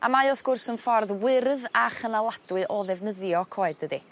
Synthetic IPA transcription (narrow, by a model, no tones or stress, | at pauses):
amaɔθɡ̥ʊrsənfɔrðwɪrðaχənalˠad̥wɨʔɔðɛvnəðjɔkʰoːɨddədi